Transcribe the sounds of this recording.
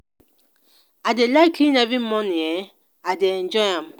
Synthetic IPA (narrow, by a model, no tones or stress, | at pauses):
adelaɪkʰinavimmɔnie | adeend͡ʒɔjam